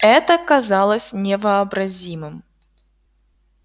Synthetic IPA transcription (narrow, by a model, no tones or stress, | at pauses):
ɛt̪əkɐzɑlˠəsʲnʲɪvəɐbɾɐzʲimɨm